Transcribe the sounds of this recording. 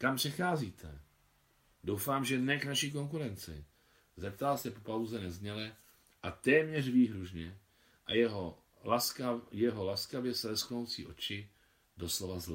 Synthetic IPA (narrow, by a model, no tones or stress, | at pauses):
kampr̥ɛxaːziːt̪ʰɛ | do̞wfaːmʒɛnɛknaʃiːk̬o̞ŋk̬uɾɛnt͡sɪ̰ | zɛp̚t̪alsɛpopawzɛnɛzɲɛlɛ | ʔat̪ɛːmɲɛrviːɦɾuʒɲɛ | ʔajɛɦo | asjɛɦolaskavjɛsɛvɛsklnowt͡sḭːʔo̞t͡ʃɪ | do̞slo̞vazlɛ